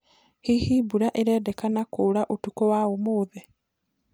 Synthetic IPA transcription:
hihiːbuɾaʔeɾɛːdɛkanakoːɾaʔotukɔwaomoːðɛ

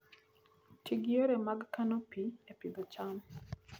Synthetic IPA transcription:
tʰiɡɪoɾemaɡkanopiepɪd̪ot͡ʃam

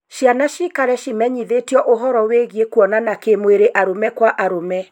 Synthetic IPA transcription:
ʃjanaʃikaɾɛʃimɛɲiðetiɔʔoɦɔɾɔweɣiekwɔnanakemweɾeʔaɾomɛkwaʔaɾomɛ

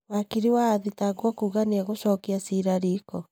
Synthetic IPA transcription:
wakiɾiwaːðitaɣwɔkuːɣaneaɣoʃɔːkiasiɾaɾikɔ

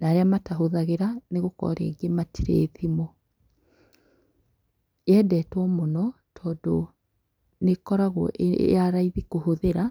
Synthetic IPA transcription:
naːɾeamataɦoðaɣeɾaneɣokɔ̰ɾḛːŋɡematʰiɾḛːðimɔ | eɛdɛtwɔmonɔ | tʰɔːdo | nekɔɾaɣwɔ̰ʔaɾaiðikohoðeɾa

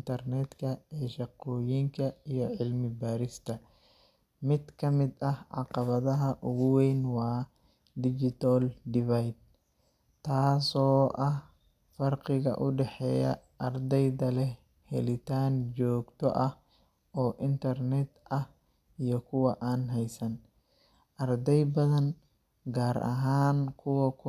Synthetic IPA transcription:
ɪnt̪ʰɐrnɛd̪kʰɐɛːʃɑqɔːjiŋkʰɐijɔʕɪlmɪbaːɾɪst̪ʰɐ | mɪd̪kʰɐmɪd̪ɐhʕɑ̰qɑβɐðɐɦɐʔʊɣʊwɛjnwɑː | d̪ɪd͡ʒɪt̪ald̪ɪβajt̪̚ | t̪ʰːaːsɔːʔɐh | fɐrqɪɣɐ̰ʔʊɖɛħɛːjɐ̰ʔɐrd̪ɛjdɐlɛ | hɛ̰lɪt̪ʰaːnt͡ʃɔːɡt̪ʰɔ̰ʔɐh | ɔːʔɪnt̪ʰɐrnɛt̪ɐh | ijɔkʰʊwɐʔaːnɦɛjsɐn | ʔɐrd̪ɛjbɐðɐn | ɡaːɾʔɐ̰ɦaːnkʰʊwɐkʰʊ

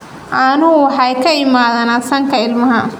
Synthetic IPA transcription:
ʔɐnʊʊwɑħɑjkʰɐɪmaːðaːnaːd̪sɐŋkʰɐɪlmɐɦɐ

